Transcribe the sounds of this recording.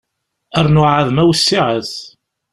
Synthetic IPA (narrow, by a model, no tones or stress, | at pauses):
æɾnʊʕəðmæwəsːiʕəθ